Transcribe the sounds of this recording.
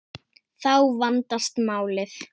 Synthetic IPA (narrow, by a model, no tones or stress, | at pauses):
θawvant̪ast̪maːwlɪθ